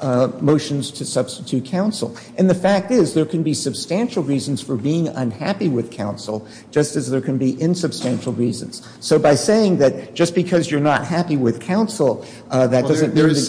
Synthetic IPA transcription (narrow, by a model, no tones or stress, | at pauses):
moʊʃɨ̃nz̥tʰɨsʌb̥stɨtʰʉt̚kʰãʊ̃nsl̩ˠ | ʔɨ̃nðɨfæk̚tɪzðə˞kʰɨ̃nbisɨb̥stæ̃nʃl̩ˠɹizn̩z̥fə˞biɪ̃ŋə̰̃nhæpiwɪð̥kʰãʊ̃nsl̩̥ˠ | d͡ʒʌstɨzðə˞kʰɨ̃nbiʔɪ̃nsɨb̥stæ̃nʃl̩ˠɹizɨ̃n̩z̥ | soʊbaɪseɪɪ̃ŋðɨt̚d̥ʒ̥ʌsb̥ɨkʰʌzjə˞nət̚hæpiwɪð̥kʰãʊ̃nsl̩ˠ | ðɨt̚d̥ʌzzɨ̃nmĩnðɨ